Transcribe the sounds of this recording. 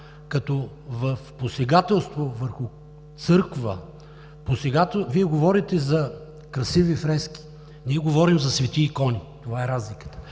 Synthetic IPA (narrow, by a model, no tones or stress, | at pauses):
kɐt̪ɔ | vɐfposɛɡat̪ɛlˠst̪vovəɾxʊ | t̪sɤɾkvə̰ | posɛɡat̪ɛviɛɡovɔɾit̪ɛzɐ | kɾɐsivifɾɛsk̟i̥ | niɛɡovɔɾimzɐsvɛt̪iːkɔnit̪ovaɛɾazlikə̥t̪ə̥